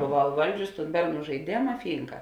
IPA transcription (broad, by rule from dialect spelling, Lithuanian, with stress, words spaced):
boːˈʋɐʊ ɪˈʋɐlʲd͡ʒʲʊsʲɪ tuːn ˈbʲɛrˌnuː ʒɐɪˈdʲeːmɐ ˈfʲiːŋkɐ